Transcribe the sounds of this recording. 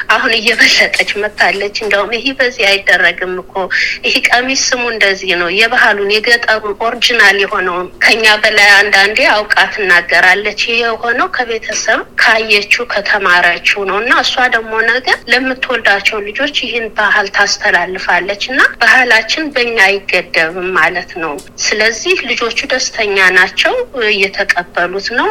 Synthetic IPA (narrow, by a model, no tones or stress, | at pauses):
ʔahunɨjːɛβəlːət̪ʼət͡ʃːmət̪ʰːalːət͡ʃːɨnd̪əhumɪhebəzːihajɪd̪ːərːəɡɨmːɨkʰːohikʼəmisɨmuɨnd̪əzːihnəwjɛβaɦalunjɛɡət̪ʼːəɾuʔo̞ɾid͡ʒinaljɛho̞nəwkʰəɨɲːabəlajand̪and̪e̞awkʼat̪ɨnːaɡːəɾalːət͡ʃːjɪheho̞nəwkʰəβe̞t̪ʰəsəβkʰəajːɛt͡ʃːukʰət̪ʰəmaɾat͡ʃːunəwɨnːaɨsːuad̪əɡmo̞nəɡəɾləmːɨt̪ʰːwɔld̪at͡ʃːɛwlɨd͡ʒo̞t͡ʃːjɪhɪnbahalt̪ʰast̪ʰəlalːɨfalːət͡ʃːɨnːab̥ahalat͡ʃːɪnbəɨɲːajɪɡəd̪ːəβɨmmalət̪nəwsɨləzːihlɨd͡ʒo̞t͡ʃːud̪əst̪ʰəɲːanat͡ʃːɛwjɛt̪ʰəkʼəbːəlut̪nəw